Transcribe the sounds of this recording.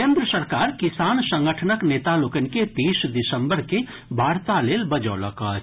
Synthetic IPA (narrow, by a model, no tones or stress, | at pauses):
end̪ɾəsəɾkaːɾkisaːnsə̃ŋɡəʈʰənəknet̪alokəniket̪isd̪isəmbəɾke | bʱaɾt̪aleːlbəd͡ʒələ̰kə